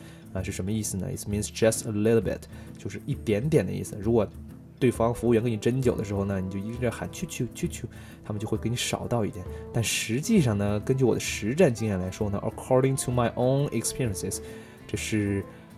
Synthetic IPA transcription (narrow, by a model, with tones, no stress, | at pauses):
ə˧ʂɻ̩˥˩ʂə˧˥nmə˧i˥˩sɹ̩˩nə̰˩ḭ˥˩s̩˩mi˧˥nsd͡ʒɐ˥˧stʰəlɪ˥ɾl̩ˠbɪ̰˧˩t | t͡ɕjo˥˧ʊʂɻ̩˥˧i˥˩t̪jɛ˧˥nt̪jɛ˨˩nd̪ə̰˦ḭ˥˩sɹ̩˩ɻu˧˥kwɔ˨˩ | t̪we˥˩ɪfɑ˥ŋfu˧˥u˥˩ɥɛ˧˥nkni˨˩ʈ͡ʂə˥nt͡ɕjo˨˩ʊə˦ʂɻ̩˧˥xo˥˧ʊna˧ni˨˩t͡ɕjo˥˧ʊi˥a˥˩xa̰˨˩nt͡ɕʰy˥˧t͡ɕʰy˥˧t͡ɕʰy˥˧t͡ɕʰy˥˩ | t̪ʰa˥mə˨˧t͡ɕjo˥˧xwɪkʰn˧˥ʂɑ̰˨˩ʊt̪ɑ˥˧ʊi˥˩t̪jɛ˨˩˦nt̪a˥˩nʂɻ̩˧˥t͡ɕi˥˧ʂɑ˥˩ŋnə˩kə˥nt͡ɕy˥˩wɔ̰˨˩d̪ə˦ʂɻ̩˧˥ʈ͡ʂa˥˩nt͡ɕi˥ŋjɛ˥˩nla˧˥ɪʂwɔ˥nə̰˨ʔə̰˨kʰɔ˥ɹɾɪ̃˧ŋtʰu˧ma˧ɪʔõ˥ʊ̃nɪ˧kspʰi˥ɹi˧ə˨nsɪ˩s | ʈ͡ʂɤ˥˧ʂɻ̩˥˩